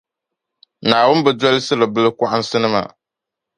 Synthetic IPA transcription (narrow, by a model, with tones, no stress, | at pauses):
naː˨wʊ˦n˦bɛ˨dɔ˦lɪ˦sɨ˦lɨ˨bɨ˦lɨ˦kʷa˦ʔɪ˦n̩˦sɨ˦nɨ˦ma̰˨